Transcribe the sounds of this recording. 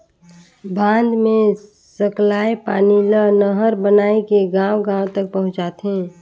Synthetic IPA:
bʱãːnd̪mẽ | səklaːepaːnilənəɦəɾbənaːekeɡãːwɡãːwt̪ək̚pəɦʊ̃d͡ʒaːt̪ɦẽː

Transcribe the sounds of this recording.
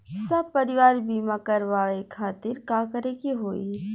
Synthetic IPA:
sɐb̚pɐɾɪʋaːɾbiːmãkɐɾʋaːekʰaːt̪ɪɾkaːkəɾekiɦoːi

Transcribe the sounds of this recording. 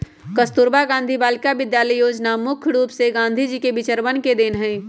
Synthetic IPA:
kəst̪uɾbaɡãːnd̪ʱibaːlkabɪd̪jaːləijoːd͡ʒnamʊkʰɾuːpseɡãːnd̪ʱid͡ʒiːkebɪt͡ʃəɾbənked̪eːnɦɛ̃ː

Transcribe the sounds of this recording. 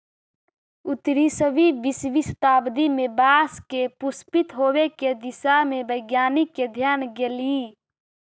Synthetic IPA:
ʊt̪ɾisəʋibisʋist̪aːbd̪imẽbaːskepʊspit̪ɦoːweked̪ɪsamẽbəɪɡjaːniked̪ʱjaːnɡeliː

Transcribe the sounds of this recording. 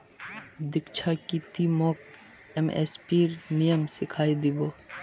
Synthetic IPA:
d̪ɪkt͡ʃʰakit̪imɔːk̚ | ɛmḛspiːɾnijəmsɪkʰaːid̪iboː

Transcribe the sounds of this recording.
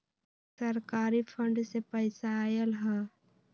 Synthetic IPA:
səɾkaːɾipʰə̃ɳɖsepəɪsajəlɦɛː

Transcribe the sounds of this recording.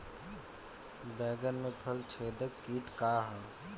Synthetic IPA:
bɛːɡənmẽpʰəlt͡ʃʰeːd̪əkːiːʈkaːɦə̃

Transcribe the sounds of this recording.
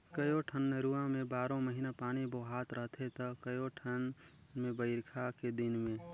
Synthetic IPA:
kəjoʈʰənmeɾuãmẽbaːɾõməɦinapaːɽ̃iboɦaːt̪ɾəɦt̪ʰet̪əkəjoʈʰən | mẽbəɪɾkʰaked̪ɪnmẽ

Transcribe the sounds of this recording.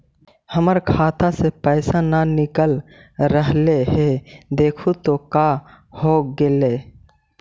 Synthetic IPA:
həməɾkʰaːt̪asepəɪsananɪkəlɾəɦleɦed̪eːkʰut̪oka | hoɡele

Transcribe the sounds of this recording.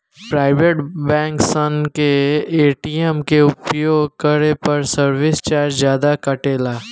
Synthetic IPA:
pɾaːɪʋeʈbɛ̃ːŋksənkeːʈiːemkeʊpjoːɡ̚kəɾepɐɾsəɾʋɪst͡ʃaːɾd͡ʒzjaːd̪akɐʈeːlaː

